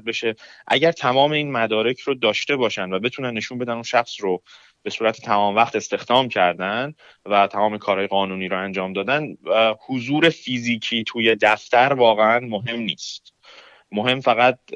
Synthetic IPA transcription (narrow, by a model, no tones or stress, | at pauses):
beʃe̞ʔæɟæɾt̪ʰæmɒːme̞iːnmæd̪ɒːɾe̞cʰɾod̪ɒːʃt̪e̞bɒːʃænd̪væbe̞t̪ʰuːnænːe̞ʃunbe̞d̪ænunʃæxsro | b̥e̞suːɾæt̪ʰe̥t̪ʰæmɒːmvæχt̪e̞st̪e̞xd̪ɒːmcʰæɾd̪æn | væt̪ʰæmɒːme̞kʰɒːɾhɒːje̞ɣɒːnuːniːɾoænd͡ʒɒːmd̪ɒːd̪ænhozuːɾe̞fiziːcʰiːt̪ʰuːje̞d̪æft̪æɾvɒːɣeænmoɦe̞mniːst̪ | mo̞ɦe̞mfæɣæd̪̚